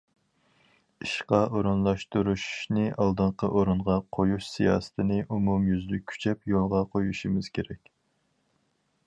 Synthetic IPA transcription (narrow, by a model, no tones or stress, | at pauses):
iʃqɑoɾunlˠɑʃt̪uɾuʃnɨʔɑlˠd̪ɨɴqʰəʔoɾuɴʁɑqʰojuʃsijɑ̰ːst̪ʰɨnɨʔumumjyzlyy̥t͡ʃʰɛpjolˠʁɑqʰojuʃimɪz̥kʲʰeɾɛkʲ